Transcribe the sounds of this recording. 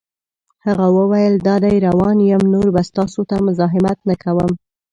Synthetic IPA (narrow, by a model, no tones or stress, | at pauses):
haɣawəwajəld̪ɑd̪ajɾawɑnjəmnoɾbast̪ɑsot̪amʊzɑɦɪmat̪nakʰawəm